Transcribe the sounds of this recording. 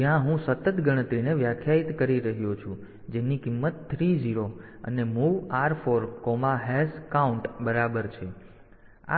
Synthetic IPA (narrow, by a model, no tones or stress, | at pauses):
jãɦũsət̪ət̪ɡəɽ̃ət̪ɾineʋjakʰjait̪kəɾiɾəɦjot͡ʃʰũ | d͡ʒenikimːət̪t̪ʰːɾiziɾoə̰nemuʋaɾfoɾkɔmaɦɛskauɳʈbəɾabəɾt͡ʃʰe | a̰